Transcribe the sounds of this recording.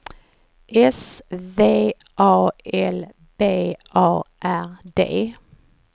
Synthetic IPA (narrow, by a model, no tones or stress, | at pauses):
ʔɛsʋeː | ʔɑːɛl | b̥eːʔɑːʔæʁd̪ḛː